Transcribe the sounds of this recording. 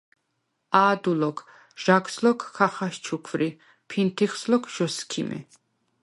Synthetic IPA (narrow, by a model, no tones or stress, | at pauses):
aːd̪ulɔkʰ | ʒ̥akslɔkːʰaχaʃt͡ʃʰukʰvɾi | pʰint̪ʰiχslɔkʰʒ̥ɔskʰḭmʔɛ̰